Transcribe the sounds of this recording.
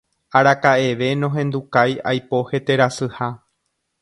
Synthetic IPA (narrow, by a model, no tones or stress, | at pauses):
aɾakaʔe̞ʋe̞nõɦẽ̞nd̪ukaja̰jpo̞he̞t̪e̞ɾasɨha